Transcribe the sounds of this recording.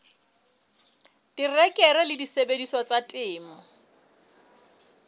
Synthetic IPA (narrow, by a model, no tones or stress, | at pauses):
dirɛkʼɛrɛlɪdisebedisɔt͡satʼɪːmɔ